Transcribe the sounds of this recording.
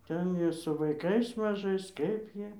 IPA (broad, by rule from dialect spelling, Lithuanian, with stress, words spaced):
ˈtʲɛn jiɛ sʊ ʋɐɪˈkɐɪs mɐˈʒɐɪs ˈkɐɪp ˈjiɛ